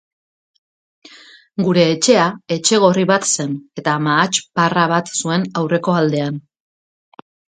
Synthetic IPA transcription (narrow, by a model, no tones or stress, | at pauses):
ɡuɾe̞ːt͡ʃe̞ae̞t͡ʃe̞ɣ̞o̞riβat̪se̞ne̞t̪amaːt͡ʃparaβ̞at̪sue̞nawre̞ko̞ald̪e̞an